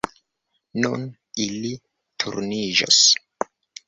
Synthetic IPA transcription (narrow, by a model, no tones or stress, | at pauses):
nṵn | ili | tʰṵɾnid͡ʒo̰s